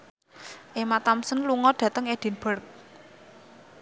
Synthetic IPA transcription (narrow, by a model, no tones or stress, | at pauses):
ʔemat̪amsənluŋɔɖ̥ä̤t̪əŋeɖ̥i̤nb̥ərk̚